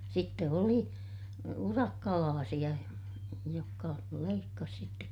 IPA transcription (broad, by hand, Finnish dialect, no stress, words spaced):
sitːe oli urɑkːɑlɑːsij̆ɑ jokːɑ leikːɑs sitːek